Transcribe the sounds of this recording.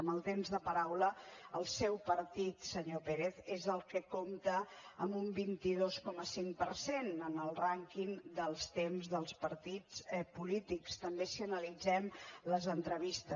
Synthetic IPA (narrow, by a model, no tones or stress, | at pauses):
əməlˠt̪emzðəpəɾawləəlˠsɛwpəɾt̪it̪səɲopeɾeθezəlˠkəkomt̪əəmbumbint̪iðoskɔməsiŋpəɾsenənəlˠraŋkiŋd̪əlˠst̪emzðəlˠspəɾt̪it͡sɛpulit̪ikst̪əmbesiənəlid͡zɛmləzənt̪ɾəβist̪ə